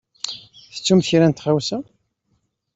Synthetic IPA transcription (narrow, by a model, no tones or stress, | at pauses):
θə̥t͡sːumθɾænt̪χawsæ